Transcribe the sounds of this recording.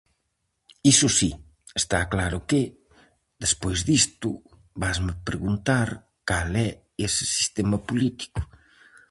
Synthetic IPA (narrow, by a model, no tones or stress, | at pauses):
isʊsi | est̪aklaɾʊkɪ | d̪espojzðist̪ʊ | βazmɪpɾeɣunt̪aɾ | kalɛ | esɪ̥si̥st̪ɛmɐpulit̪i̥kʊ̥